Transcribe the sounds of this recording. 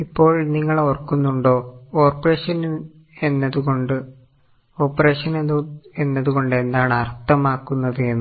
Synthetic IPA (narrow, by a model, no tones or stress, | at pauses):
ipːo̞ːɭniŋːɐɭorkːunːuɳɖo̞ːoːrpːɐreːʂɐn | e̞nːɐðuɣo̞ɳɖɨ | o̞ːpːɐre̞ːʂɐnene̞nːɐðuɣo̞ɳɖɨe̞nd̪aːɳɨɐrt̪ːɐmaːkːunːɐðɨjenːɨ